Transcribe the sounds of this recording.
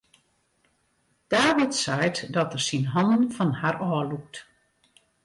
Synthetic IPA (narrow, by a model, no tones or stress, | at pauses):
d̥aːʋɔtsɛjtdɔtərsinɦɔnənfɔnharɔːluk̚t